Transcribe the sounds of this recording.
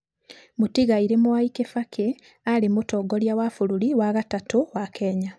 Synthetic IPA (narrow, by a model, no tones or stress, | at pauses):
mutiɣaiɾemuwaikefakʰe | alimutoɡoljawafululiwaɣatatuwakʰeːɲa